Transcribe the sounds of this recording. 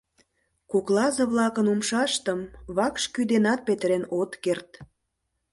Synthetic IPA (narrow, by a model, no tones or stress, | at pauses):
kuklɑzəβlɑkənumʃɑʃt̪əmβɑkʃkyd̪enɑt̪̚pet̪əɾenot̪kert̪